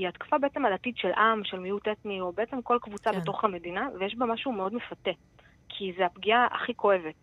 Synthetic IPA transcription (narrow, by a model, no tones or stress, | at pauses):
iatkḁfabe̞et͡se̞malatid̪ʃelʔamʃelmijutetnio̞beet͡se̞mko̞lkvut͡sabbe̞t̪o̞χhame̞dinavejeʃbamaʃume̞o̞dmefate̞ | kʰizeapɡiaʔa̰χiko̞e̞ve̞t